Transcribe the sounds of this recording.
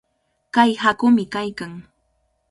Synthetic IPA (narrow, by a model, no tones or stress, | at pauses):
kajhakʊmɪkajkaŋ